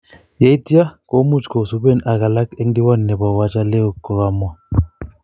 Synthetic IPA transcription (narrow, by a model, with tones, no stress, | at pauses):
je˦i˦ti˦a˦ko˦mu˦˨t͡ʃko˨su˦be˦˨na˨ka˨la˦ke˦ndi˦wa˦nːɛ˨ba˨wa˦t͡ʃa˦lɛ˦o˦˨kːɔ˨ɣa˨mwa˦˨